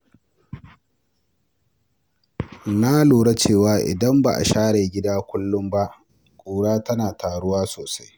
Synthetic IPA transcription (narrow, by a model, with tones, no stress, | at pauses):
na˦luː˨ɽɐ˦t͡ʃeː˦˨waː˦ʔɪ̰˨dɐ˦mba̰˨ʔa̰˨ʃaː˦ɽeː˨ɡʲɪ˦daː˦kʷʊ˦lːʊ˦mba˦ʔ | kʷʼuː˨ɽaː˦tɐ˦naː˨tʰaː˨ɽʊ˦waː˦soː˨sḁ˦j